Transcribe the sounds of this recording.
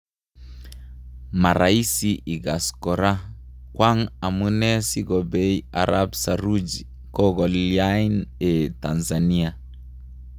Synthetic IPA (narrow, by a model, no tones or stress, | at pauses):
maɾaisiʔiɡaskɔɾa | kwaŋamunɛsiɡɔbɛia̰ɾʔabsaɾud͡ʒi | kɔɡɔliajnetanzania